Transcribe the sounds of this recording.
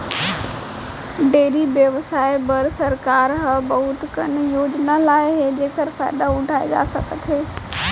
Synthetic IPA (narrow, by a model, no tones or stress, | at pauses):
ɖeːɾiʋjəʋsaːɪbɐɾsɐɾkaːɾɦɐbɐɦʊt̪kɐnɪ̆joːd͡ʒnalaːɪɦeːd͡ʑeːkəɾfa̰ːɪd̪aʊɖʱaːḛɡa̰sɐ̰ɡət̪ʰeː